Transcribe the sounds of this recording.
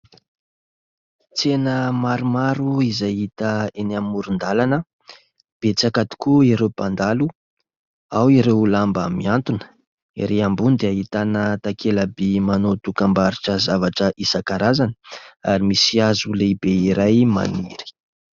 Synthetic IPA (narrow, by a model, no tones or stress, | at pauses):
t͡senəmaɾumaɾuizajit̪əenamːuɾund̪alanə | b̥et͡sakat̪i̥kuiɾewpand̪alu | awiɾewlambamiant̪unə̥ | iɾeambund̪eaɦit̪anət̪akʰelabimanot̪ukambaɾiʈ͡ʂəzavaʈ͡ʂəʔisakaɾazanə̥aɾimisiazuleibeiɾajma̰niɾi̥